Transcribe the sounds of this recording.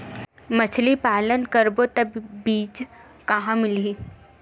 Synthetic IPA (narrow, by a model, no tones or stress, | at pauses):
mɐt͡ʃʰlipaːlənkəɾbot̪ɐbbiːt͡ʃ | kɐɦãmɪliː